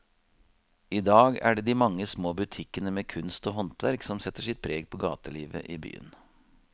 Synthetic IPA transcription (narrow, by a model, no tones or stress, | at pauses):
iːd̪ɑːɡæ̰ːɖeːd̪iːmɑŋːəsmoːbʉt̪ʰɪkənəmeːkʰʉnst̪oːɦɔnt̪ʋæɾksɔmsɛt̪ːəʂɪt̪̚pʰɾeːɡ̚pʰoːɡɑ̰ːt̪əliːʋə̰ʔiːby̰ːə̰n